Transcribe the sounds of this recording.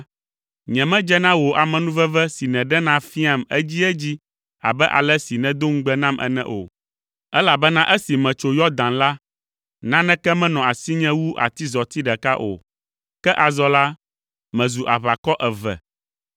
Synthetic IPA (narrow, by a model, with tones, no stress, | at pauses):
ɲɛ̃˨mɛ̃˦d͡ʒɛ˦nã˦wo˨ʔa˨mɛ̃˨nũ˦vɛ˦vɛ˦si˨nɛ̃˨ɖɛ˦nã˦fi˦a˨mɛ˦d͡ʑi˦ɛ˦d͡ʑi˦ | a̰˨bɛ˦ʔa̰˨lɛ˦si˨nɛ̃˨d̪o˦ŋ̩˦ɡ͡bɛ˦nã˦mʔɛ̰˦nɛ̰̃˦ʔo̰˨ | ɛ˦la˨bɛ˦nã˦ʔɛ˦si˨mɛ̃˨t͡ʃo˨jɔ˦d̪ã˨nla˦ | nã˦nɛ̃˦kɛ˦mɛ̃˦nɔ̃˨a˨si˦ɲɛ̃˦wu˦ʔa̰˨t̪i˦zɔ˨t̪i˦ɖɛ˨ka˦ʔo̰˨ | kɛ˦ʔa˨zɔ˨la˦ | mɛ̃˨zu˨ʔa˨βa˨kɔ˦ʔɛ˨vɛ̰˨